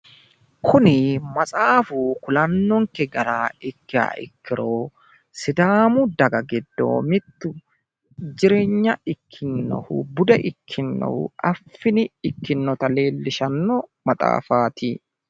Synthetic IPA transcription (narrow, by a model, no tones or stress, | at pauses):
kʰʊnɪmɐt͡sʼaːfukʊlɐnːɔŋkɛɡɐɾaːɪkːɪa̰ːʔɪ̰kːɪɾoː | sɪd̪aːmʊd̪ɐɡɐɡɛd̪ːo̰ːmɪt̪ːʊ | d͡ʒɪɾeːɲːɐɪkʰːɪnːɔ̰hʊ̰bʊd̪ɛʔɪkʰːɪnːɔ̰hʊ̰ʔɐfːɪnɪɪkːɪnːɔt̪ɐleːlːɪʃɐnːɔmɐt̪ʼa̰ːfa̰ːt̪i